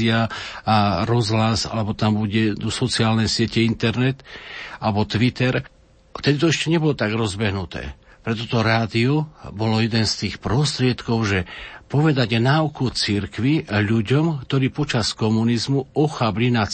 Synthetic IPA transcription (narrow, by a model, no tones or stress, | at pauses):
iaaɾɔzɦlasa̰lɛbɔt̪ambuɟɛd̪usɔt͡siaːlnɛsɪɛcɛint̪ɛɾnɛt̪alɛbɔt̪ʋit̪ɛɾ | ft̪ɛd̪it̪ɔɛʃcɛɲɛbɔlɔt̪aɡɾɔzbɛɦnut̪ɛ̰ː | pɾɛt̪ɔt̪ɔɾaːd̪iɔbɔlɔjɛd̪ɛnst̪iːxpɾɔst̪ɾɪɛt̪kɔʊʒɛpɔʋɛd̪aɟnaukut͡siɾkʋiʎuɟɔmkt̪ɔɾiːpɔt͡ʃaskɔmunizmuɔxablina